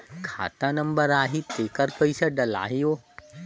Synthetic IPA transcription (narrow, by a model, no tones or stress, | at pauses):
kʰa̰ːt̪anɐ̃mbəɾaːɦit̪eːkəɾpəisaɖɐla̰ːɦijoː